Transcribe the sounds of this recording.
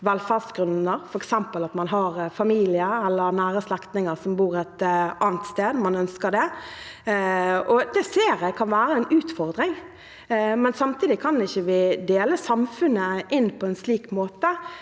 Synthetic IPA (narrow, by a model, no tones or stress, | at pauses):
ʋɛlfæʁsɡɾʉnəɾfɔɾɛksɛmpəlɑt̪mɑnɦɑɾfɑmiːlɪəɾɛlːəɾnæːɾəslɛkt̪nɪŋəɾsɔmbuːɾɛt̪ɑːnət̪st̪eːd̪mɑnœnskəɖ̪ɛ | ɔd̪ɛseːɾɛkʰɑnʋæːɾəɛnʉːt̪fɔɾd̪ɾɪŋ | mɛnsɑmt̪ʰiːd̪ɪkʰɑnɪçːəʋɪd̪eːləsɑmfʉnːəʔɪnːpʰɔɛnsliːkmoːt̪ə